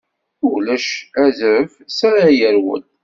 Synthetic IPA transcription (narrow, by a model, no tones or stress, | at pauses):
ʊlæʃæzɾəfsaɾajəɾwə̰ld̪